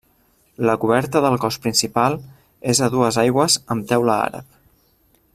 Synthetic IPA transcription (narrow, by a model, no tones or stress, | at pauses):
ləkuβ̞ɛɾt̪əðəlˠkɔspɾinsipalˠ | ezəðuəzajɣwəzəmt̪ɛwləa̰ɾə̰p̚